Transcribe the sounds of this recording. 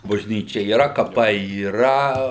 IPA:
bɐʒʲˈnʲiːt͡ʃʲɛ iːˈrɐ kɐˈpɐɪ iːˈrɐ

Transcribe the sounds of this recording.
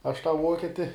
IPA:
ɐʃ tɑː ˈʋuɔkʲɛtʲɪ

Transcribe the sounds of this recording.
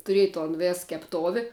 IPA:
tʊˈrʲeːj toːn ˈʋʲeːs kʲɛpˈtoːʋʲɪ

